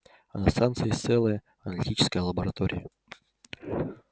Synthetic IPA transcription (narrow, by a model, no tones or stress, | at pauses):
ɐnast̪ant̪sɨjɪt̪sɛlˠəjə | ɐnəlʲɪtʲit͡ɕɪ̥skəjəlˠəbəɾɐt̪oɾʲɪ̰jə